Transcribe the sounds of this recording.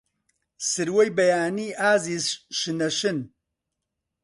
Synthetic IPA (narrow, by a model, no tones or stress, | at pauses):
sɨɾwejbɐjaːniːʔaːziːzʃɨnɐʃɨn